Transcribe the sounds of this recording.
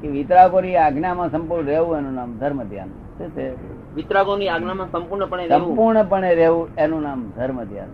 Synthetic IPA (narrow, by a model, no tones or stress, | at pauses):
keʋɪt̪ɾaɡoniaɡnamãsə̃mpuɾɳɾeʋũenũnaːmd̪ʱəɾməd̪ʱja̰n | set̪ʰe | ʋɪit̪ɾaɡoniaɡnamãsəmpuɾɳəpəɳeɾə̃mũpuɾɳəpəɳeɾeʋũenũnamd̪ʱəɾməd̪ʱja̰n